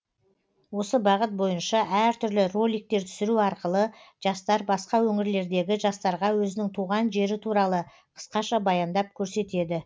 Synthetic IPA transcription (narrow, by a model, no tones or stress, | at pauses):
wo̞səbɑʁət̪̚bo̞jənʃɑæɾt̪ʰʏɾlɪro̞lʲijk̚t̪e̞ɾt̪ʰʏ̥sɪɾuɑɾqəlˠəʒ̥ɑst̪ɑɾbɑsqɑwɵŋɪɾle̞ɾd̪e̞ɡʲɪʒɑst̪ɑɾʁɑwɵzɪnɪŋt̪ʰuʁɑnʒe̞ɾɪt̪ʰuɾɑlˠə | qʰə̥sqɑʃɑbɑjɑnd̪ɑp̚kʲʰɵɾse̞t̪e̞d̪ɪ